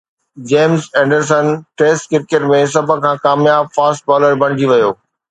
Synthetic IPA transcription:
d͡ʑeːmzɛ̃ːɳɖəɾs̬ənʈeːsʈkɪɾkeʈmẽs̬ɐbʱə̆kʰãːkaːmjaːb̚faːsʈ̚bɔːləɾbʱɐ̃ɽ̃ɪd͡ʑiʋɐjoː

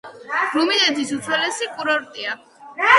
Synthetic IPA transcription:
ɾumid̪ɛt̪ʰisut̪sʰwɛlɛsikʼuɾɔɾt̪ʼia

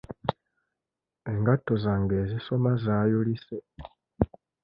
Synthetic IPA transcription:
eŋɡatozaŋɡezisomazajulise

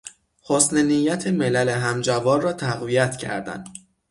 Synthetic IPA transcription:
hosnenijːæt̪ʰemelæleɦæmd͡ʒævɒːnrɒːt̪ʰæɣvijæt̪ʰcʰæ̰ɾd̪æ̰nd̪̥

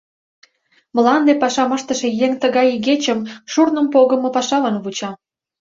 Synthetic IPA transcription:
məlɑnd̪epɑʃɑməʃt̪əʃĕjeŋt̪əɣɑjɣet͡ɕəmʃurnəmpoɣəmɤ̆pɑʃɑβɑnβut͡ɕɑ

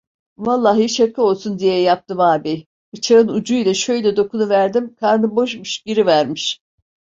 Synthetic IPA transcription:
valˠːaːɦiʃakʰɯo̞lˠsund̪ijɛjap̚t̪ɯmaːbɛj | bɯt͡ʃʰaɾɯnud͡ʒujlʲɛʃø̞jlʲɛd̪o̞kʰunuvæɾd̪imkʰaɾnɯbo̞ʃmuʃɟiɾivæɾmiʃ

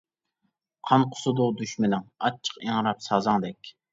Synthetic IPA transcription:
qʰɑnqʰʊ̥sʊd̪ʊd̪yʃmɪnɪŋɑt͡ʃʰːə̥qeŋɾɑpsɑzɑŋd̪ɛkʲ

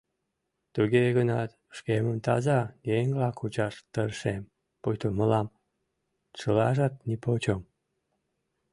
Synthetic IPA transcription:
t̪uɣeɣənɑt̪ | ʃkeməmt̪ɑ̰zɑjeŋvlɑkut͡ɕɑʃt̪əɾʃem | pojt̪oməlɑm | t͡ʃəlɑʒɑt̪̚nipot͡ɕom

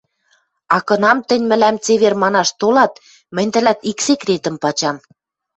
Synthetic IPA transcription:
ɑkɤ̆nɑmt̪ə̆nʲmɘ̆læmt͡seβermɑnɑʃt̪olɑt̪̚ | mɘ̆nʲt̪ə̆læt̪iksekrʲet̪ə̆mpɑt͡ɕɑm

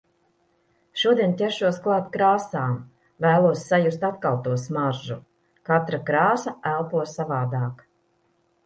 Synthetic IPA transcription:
ʃuɔd̪ʲiɛnt̪ʲɛʃuɔsklˠaːt̪kɾaːsaːm | væːlˠuɔsːajust̪at̪̚kalˠt̪uɔsmaɾʒu | kat̪ɾakɾaːsaælˠpuɔsːavaːd̪aːk

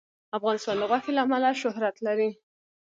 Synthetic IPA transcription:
afɣɑnɪst̪ɑnd̪əɣwɑfelaːmalaʃʊhɾat̪laɾi

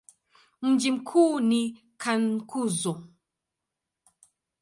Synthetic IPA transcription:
m̩d͡ʒim̩kʰuːni | kʰankuzɔ

